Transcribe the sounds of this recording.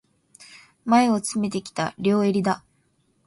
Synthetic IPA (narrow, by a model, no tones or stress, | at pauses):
mae̞o̞t͡sɨme̞t̪e̞kʲi̥t̪a̰ɾʲo̞ːe̞ɾʲid̪a